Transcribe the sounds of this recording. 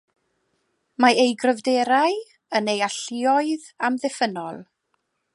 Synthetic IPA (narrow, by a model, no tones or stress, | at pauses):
maejɡrəvdeɾaj | ənejaɬɪɔɨð | amðɪfənɔlˠ